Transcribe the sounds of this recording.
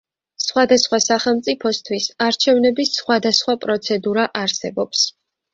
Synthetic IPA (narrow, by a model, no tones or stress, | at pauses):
sχwad̪asχwasaχɛlˠmt̪sʼipʰɔst̪ʰwisaɾt͡ʃʰɛvnɛbisχwad̪asχwapʼɾɔt̪sʰɛd̪uɾaʔaɾsɛbɔps